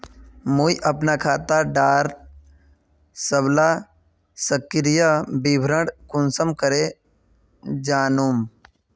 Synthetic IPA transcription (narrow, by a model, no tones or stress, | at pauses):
muiʔɐpnakʰaːt̪aɖaːɾ | səbla | səkɾijabibʱɾəɽkʊnsəmkəɾe | d͡ʒaːnuːm